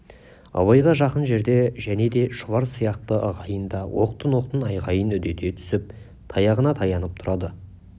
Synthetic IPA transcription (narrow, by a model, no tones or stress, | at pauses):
ɑ̰βɑjʁɑʒɑqənʒe̞ɾd̪e̞ʒæne̞d̪e̞ʃʊβɑɾsijɑq̚t̪əʔɑʁɑjənd̪ɑwʔo̞̰q̚t̪ənwo̞q̚t̪ənɑjʁɑjənʏd̪e̞t̪e̞t̪ʰʏ̥sɪp̚ | t̪ʰɑjɑʁənɑt̪ʰɑjɑnəp̚t̪ʰʊɾɑd̪ə